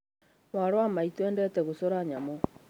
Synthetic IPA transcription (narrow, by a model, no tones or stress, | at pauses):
maɾwamaitɛːndɛtɛɣosoɾaɲamɔ